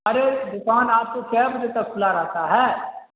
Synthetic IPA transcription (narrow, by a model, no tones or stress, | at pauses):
ɐɾed̪ʊkaːnaːp̚t̪okɛːbd͡ʒ̪et̪ɐkʰʊlaɾɛɦt̪aɦɛː